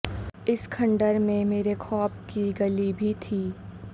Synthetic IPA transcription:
ɪskʰɐ̃ɳɖəɾmẽmeːɾexʰɔːpkiɡɐlibʱit̪ʰiː

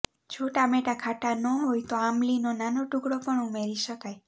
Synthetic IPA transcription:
d͡ʒoʈameʈakʰaʈanɔɦojt̪oamlinonanoʈuɡɽopəɳumeɾiʃəkaj

